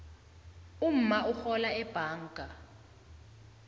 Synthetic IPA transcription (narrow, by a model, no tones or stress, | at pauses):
um̩mauxɔlaɛb̥ʱaːŋkʼa